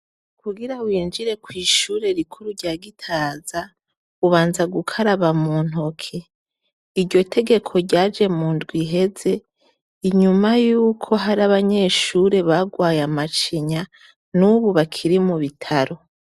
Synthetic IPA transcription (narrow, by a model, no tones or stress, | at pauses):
kuɡiɾawiːnd͡ʒiɾe̞kwiːʃuːɾe̞ɾikʰuɾuɟaːɡitʰaːza | uβaːnzaɡukʰaɾaβamuːn̥ɦo̞kʰe̞ | iɾɟo̞tʰe̞ɡe̞kʰo̞ɟaːd͡ʒe̞muːndɡwiɦe̞ze̞ | iɲumajuːkʰo̞ɦaɾaβaɲe̞ːʃuɾe̞βaɡwaːjamat͡ʃiɲa | nuβuβakʰiɾimuβitʰaɾo̞